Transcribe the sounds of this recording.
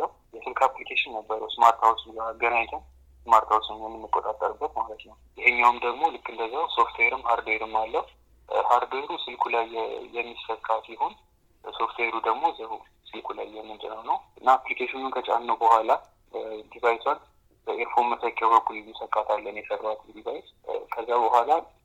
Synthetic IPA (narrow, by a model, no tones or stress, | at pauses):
ə | jɛsɨlkʰaplikʰeʃɪnːəbːəɾəwsɨmaɾt̪ʰawsɡaɡənaɲt̪ʰɨn | sɨmaɾt̪ʰawsmjɛmːɨnːɨkʼːot̪ʼat̪ʼːəɾɨbːət̪malət̪nəwjɪhɨɲːawɨmd̪əɡmo̞lɨkʼːɨnd̪əzːawso̞ft̪ʰweɾɨmhaɾd̪eɾɨmːalːəhu | haɾd̪eɾusɨlkʰulajːɛmːisfəkʼat̪jɪhon | so̞ft̪ʰweɾud̪əɡmo̞zəu | sɨlkʰulajːɛmːɨnd͡ʒʼənəwnəwʔɨnːaːplikʰeʃɪnunkʰət͡ʃʼa̰nːəwbəhʷala | d̪ibajt̪ʰwan | bəeɾfomɨsəkʼːawbəkʰːulɛmːɨsəkʼːat̪ʰalːənjɛsərat̪ʰd̪iβajt̪ | kʰəzːabəhʷala